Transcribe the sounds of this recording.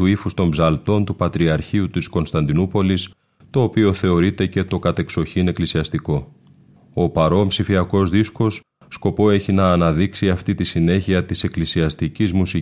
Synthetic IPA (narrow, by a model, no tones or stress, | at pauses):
uifust̪o̞mbzɐlt̪o̞nt̪upɐt̪ɾiɐɾçiut̪isko̞nst̪ɐnd̪inupo̞lis | t̪o̞ːpio̞θe̞o̞ɾit̪e̞ce̞t̪o̞kɐt̪e̞kso̞çine̞klisiɐst̪iko̞ | o̞pɐɾo̞mpsifiɐko̞zðisko̞sː | ko̞po̞e̞çinɐːnɐðiksiɐft̪it̪isine̞çiɐt̪ise̞klisiɐst̪icizmusi